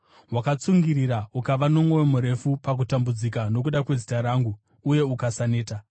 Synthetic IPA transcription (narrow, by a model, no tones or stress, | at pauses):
ɦwakat͡suŋɡiriɾaukaʋano̞mwo̞wemuɾe̞fupak̬utambud͡zikano̞k̬uɗakwe̞zitaɾaːŋɡuː | je̞ukasane̞ːta